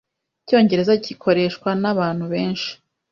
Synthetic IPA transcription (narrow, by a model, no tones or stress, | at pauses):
co̞ːɲɟe̞ɾe̞zacikʰo̞ɾe̞ʃkwanaβaːnhuβe̞ːnʃi̥